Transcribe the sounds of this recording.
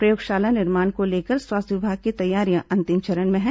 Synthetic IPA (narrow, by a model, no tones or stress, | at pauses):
pɾɐjoːɡʃaːlanɪɾmaːnkoleːkəɾswaːst̪ʰʋɪbʱaːɡ̚kit̪ɐjːaːɾijãʔɐ̃nt̪ɪmt͡ʃɐɾənmẽɦɛ̃